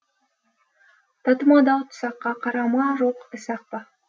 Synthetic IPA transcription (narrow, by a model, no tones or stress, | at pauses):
t̪ɑt̪əmɑd̪ɑwt̪ʰʊ̥sɑqːɑqʰɑɾɑmɑʒoqɪsɑq̚pɑ